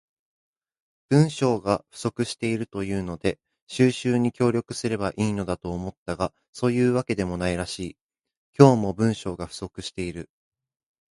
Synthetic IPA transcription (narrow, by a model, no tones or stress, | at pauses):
b̥ɯ̟̃ɰ̃ɕo̞ːɡaɸɯ̟̥so̞kɯ̟ɕi̥t̪e̞iɾɯ̟t̪o̞jɯ̟ːno̞d̪e̞ | ɕɨːɕɨːɲ̟ikʲo̞ːɾʲo̞kɯ̟sɨɾe̞baʔiːno̞d̪at̪o̞ːmo̞t̪ːaɡa | so̞ːjɯ̟ːβake̞d̪e̞mo̞naiɾaɕiː | kʲo̞ːmo̞bɯ̟̃ɰ̃ɕo̞ːɡaɸɯ̟̥so̞kɯ̟ɕi̥t̪e̞iɾɯ̟